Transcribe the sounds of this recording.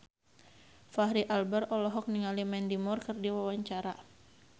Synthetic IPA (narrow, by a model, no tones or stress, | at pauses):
fahɾiʔalbərɔlɔɦɔk̚niŋalimɛndimɔrkɨrdiwawaɲt͡ʃaɾa